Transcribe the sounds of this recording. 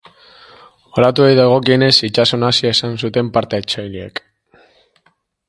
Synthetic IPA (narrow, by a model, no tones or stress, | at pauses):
o̞ɾat̪uejðaɣ̞o̞kiene̞sit͡ʃaso̞nasiae̞sansut̪e̞mpaɾt̪eet͡ʃajliḛk